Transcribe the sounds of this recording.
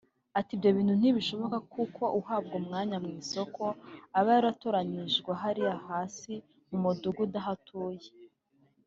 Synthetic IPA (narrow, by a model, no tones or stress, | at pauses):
atibjo̞βiːn̥un̥iβiʃo̞βo̞kakukʰo̞ʔuhaːbɡomŋaːɲamŋiːso̞kʰo̞aβajaɾatoɾaniʒɡwaɦaɾiahaːsi | mumuduɡudaɦatʰuːje